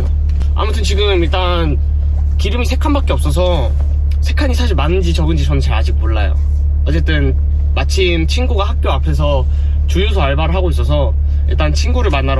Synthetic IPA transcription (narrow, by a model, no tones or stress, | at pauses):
o | a̰mutʰɯnt͡ɕiɡɯmiɭt͈a | n | kiɾɯmisʰe̞kʰanbak͈eʌp̚s͈ʌs̬ʰʌ | sʰe̞kʰaɲisʰaɕʰiɭmanːɯnd͡ʑit͡ɕʌɡɯnd͡ʑit͡ɕʌnɯnt͡ɕaɾad͡ʑik̚moɭːajo̰ | ʌt͡ɕ͈e̞t͈ɯn | mat͡ɕʰimt͡ɕʰinɡuɡahak̚k͈joapʰe̞s̬ʰʌ | t͡ɕujusʰoaɭbaɾɯɭɦaɡois̬͈ʌs̬ʰʌ | iɭt͈ant͡ɕʰinɡuɾɯɭmanːaɾ